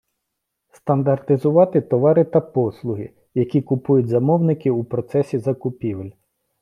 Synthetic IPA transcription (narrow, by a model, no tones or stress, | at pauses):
st̪ɐnd̪ɐrt̪ɪzʊʋɑt̪ɪt̪ɔʋɑɾɪt̪ɐpɔslˠʊɦɪ̰ | jɐkʲikʊpujʊt̚ʲzɐmɔwnɪkɪupɾɔt̪sɛsʲizɐkʊpʲiʋelʲ